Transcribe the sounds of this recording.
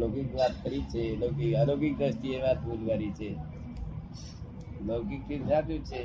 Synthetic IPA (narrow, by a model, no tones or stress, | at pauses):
lokikʋat̪̚kəɾit͡ʃʰelokikalokik̚d̪əst̪ieʋat̪bud͡ʒʋaɾit͡ʃʰe | lokik̚t̪isat͡ʃut͡ʃʰe